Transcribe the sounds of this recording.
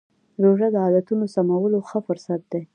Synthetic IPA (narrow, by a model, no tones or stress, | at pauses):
ɾoʐad̪əɑlat̪unosamawəloxəfʊɾsat̪̚d̪e